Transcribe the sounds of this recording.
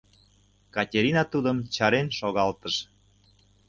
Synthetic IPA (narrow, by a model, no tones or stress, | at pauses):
kɑtʲeɾinɑt̪ud̪əmt͡ɕɑɾenʃoɣɑlt̪əʃ